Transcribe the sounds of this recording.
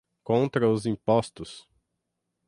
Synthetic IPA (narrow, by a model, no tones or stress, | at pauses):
kõnt̪ɾɐʊzĩpɔst̪ʊs